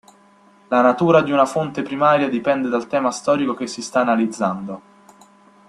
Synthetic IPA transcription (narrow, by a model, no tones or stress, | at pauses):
lanat̪uːɾad̪iunafont̪epɾimaːɾjad̪ipɛnd̪ed̪alt̪ɛːmast̪ɔːɾikokesːist̪aːnalid̪zːand̪o